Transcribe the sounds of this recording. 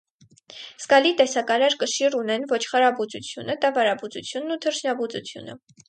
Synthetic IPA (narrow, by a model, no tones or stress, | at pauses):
skɑlit̪ɛsɑkɑɾɑɾkəʃirunɛnvɔt͡ʃʰχɑɾɑbut͡sut͡sʰjunət̪ɑvɑɾɑbut͡sut͡sʰjunːut̪ʰəɾʃʰnɑbut͡sut͡sʰjṵnə̰